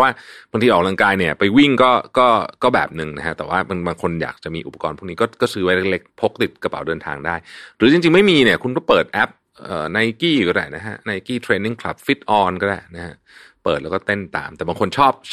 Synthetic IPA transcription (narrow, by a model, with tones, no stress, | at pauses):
waː˥˩baː˧ŋt̪ʰiː˧ɔː˨˩la˧ŋkaː˧jni˥˩ɐpa˧jwi˥˩ŋkɔː˥˩kɔː˥˩kɔː˥˩bɛ̰ː˨˩p̚nɯ˨˧ŋna˦˥kʰa˦˥t̪ɛː˨˩waː˥˩ba˧ŋbaː˧ŋkʰo˧nja̰ː˨˩k̚t͡ɕa˨˩ʔmiː˧ʔu˨˩pa˧˩kɔː˧npʰu˥˩kniː˦˥kɔ˥˩kɔː˥˩sɯː˦˥wa˦˥le˥le˦˥k̚pʰo˦˥k̚t̪i˨˩t̪̚ka˧pa̰˨˩˦wdɤː˧nt̪ʰa̰ː˧ŋdaː˥˩jɾɯː˩˦t͡ɕi˧ŋt͡ɕi˧ŋma˥˩jmiː˧ni˧˩ɐkʰu˧nkɔː˥˩pɤː˨˩t̪̚ʔɛ˦˥p̚ | ʔəː˨˩na˧jkiː˥˩˨kɔ˥˩aː˧˩jna˦˥kʰa˦˥na˧jkiː˥˩t̪ʰɾeː˧nːi˥˩ŋkʰla̰˨˩p̚fi˦˥t̪̚ʔɔː˧nkɔː˥˩daː˧˩jna˦˥kʰa˦˥ʔpɤː˨˩t̪lɛ˦˥kɔː˥˩t̪e˥˩nt̪a̰ː˧mt̪ɛː˨˩baː˧ŋkʰo˧nt͡ɕʰɔː˥˩p̚